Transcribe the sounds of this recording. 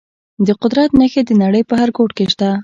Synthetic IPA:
d̪əqʊd̪ɾat̪nəxed̪ənaɽəjpəɦhaɾɡoʈkeʃt̪a

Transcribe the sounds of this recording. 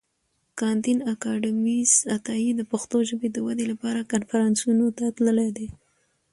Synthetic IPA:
kɑnt̪inakɑɖɪmisat̪ɑid̪əpaxt̪oʒəbed̪əwad̪elapɑɾakanfaɾɑnsunot̪at̪ləled̪e

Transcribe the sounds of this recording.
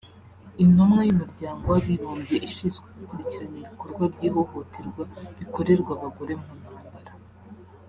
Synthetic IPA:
inomŋajumuɾɟaːŋɡo̞waβiβoːmbje̞ʔiʃiːnzɡweɡukuɾiciɾaɲiβiko̞ɾɡwabɟiːɦo̞ho̞tʰeɾɡwaβiko̞ɾe̞ɾɡwaβaɡo̞ɾe̞munaːmbaɾa

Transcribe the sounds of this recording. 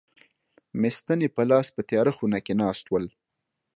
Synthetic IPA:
mɪst̪ənepəlɑːspət̪jɑɾaxunakenɑːst̪wəl

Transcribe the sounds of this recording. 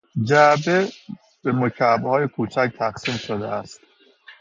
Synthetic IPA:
d͡ʒæbe | b̥emocʰæbhɒːjekʰuːt͡ʃʰæc̚t̪ʰæqsiːmʃod̪ḛæst̪

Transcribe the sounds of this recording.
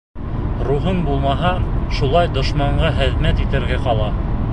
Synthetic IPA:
ɾuɦɤnbulˠmɑɦɑʃulˠɑjd̪ŏʃmɑɴɢɑχɘ̆ðmæt̪it̪ɘ̆ɾɡæqɑlˠɑ

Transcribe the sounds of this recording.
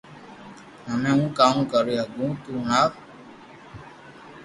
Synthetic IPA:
ɦəmẽːũːkaːmũːkəɾiːɦəɡũːt̪uːnaː

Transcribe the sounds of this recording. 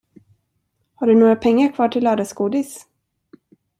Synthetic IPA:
haɖɵnoːɡɾapʰɛŋːaɾkʰvɑːʈʰɪlːœːd̪asɡuːd̪ɪs

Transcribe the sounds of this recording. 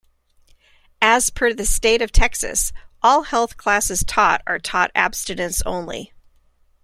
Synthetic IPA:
ɨz̥fʰə˞ðɨsteɪɾʌv̥tʰɛksɨ̰sʔɔlˠhɛlˠθkʰl̥æsɨz̥tʰɔ̰ɾə̰˞tʰɔɾæ̰b̥stɨnɨ̃ntsõ̰ʊ̃nlḭ

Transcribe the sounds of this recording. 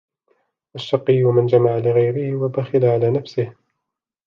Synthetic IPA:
ʔaʃːɑqːɪjːamɪnd͡ʒamaʕalɪɣajɾɪhɪwabaxɪlaʕalaːnafsɪh

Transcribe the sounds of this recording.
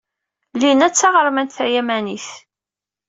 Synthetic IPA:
linæt͡sːɑʁəɾˤmænt̪θæjæmæniθ

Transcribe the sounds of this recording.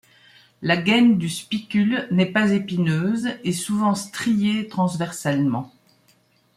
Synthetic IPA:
laɡand̪yspikʲylnɛpazepinøːzesuvɑ̃st̪χijet̪χɑ̃svɛʁsalmɑ̃

